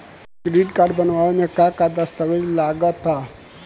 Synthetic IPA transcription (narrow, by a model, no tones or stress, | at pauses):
kɾiːʈkaːɾɖbənʋaʋemẽkakad̪əst̪əʋed͡ʒlaɡət̪ːa